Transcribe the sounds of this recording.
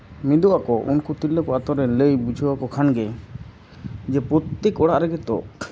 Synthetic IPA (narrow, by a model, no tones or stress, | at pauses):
mid̪uʔakɔʔṵnkut̪ilːəkɔat̪ɔɾɛləjbud͡ʒʱuwakɔkʰanɡɛ | d͡ʒɛpɾɔt̪ːekɔɽaʔɾɛɡɛt̪ɔ̰